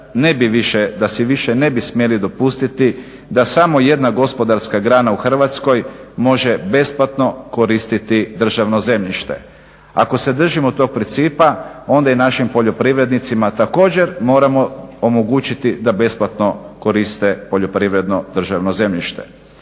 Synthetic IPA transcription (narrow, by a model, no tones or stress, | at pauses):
ne̞biʋiʃed̪asiʋiʃene̞bismjelid̪o̞pust̪it̪i | d̪asamo̞je̞d̪naɡo̞spo̞d̪aɾskaɡɾaːnauxr̩ʋat̪sko̞jmo̞ʒebe̞splat̪no̞ko̞ɾiːst̪it̪id̪r̩ʒaʋnoze̞mʎiʃt̪e̞̰ | a̰ko̞se̞d̪r̩ʒimot̪o̞k̚pɾint̪siːpao̞nd̪ainaʃimpo̞ʎo̞pɾiʋɾe̞d̪nit̪simat̪ako̞ːd͡ʑe̞ɾmo̞ːɾamo̞omoɡuːt͡ʃit̪id̪abe̞splat̪no̞ko̞ɾist̪e̞po̞ʎo̞pɾiːʋɾe̞d̪no̞d̪r̩ʒaʋnoze̞mʎiʃt̪e̞̥̰